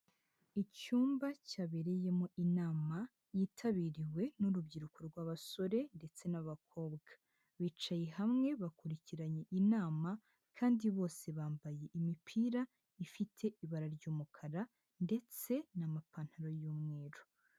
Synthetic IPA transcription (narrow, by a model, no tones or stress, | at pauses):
icuːmbacaβe̞ɾe̞je̞moʔinaːma | jiːtʰaβiɾiwe̞nuɾubɟiɾukoɾɡwaːβaso̞ɾe̞nde̞t͡se̞naβakʰo̞ːbɡḁ | βiːt͡ʃajeɦamŋe̞βakuɾiciɾaɲe̞ʔinaːma | kʰaːndiβo̞ːse̞βaːmbaje̞ʔimipʰiːɾa | ifitʰe̞ʔiβaɾaɾɟuːmukʰaɾa | nde̞t͡se̞namapan̥haɾo̞juːmŋe̞ːɾo